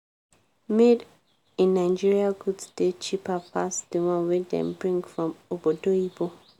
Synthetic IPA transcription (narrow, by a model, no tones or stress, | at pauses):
med | ĩnːãɪd͡ʒiɹiaɡudsd̥et͡ʃʰipʰapʰasd̥ɨwãnwedɛ̰̃mbɹĩŋɡfɹɔ̃mobodoibo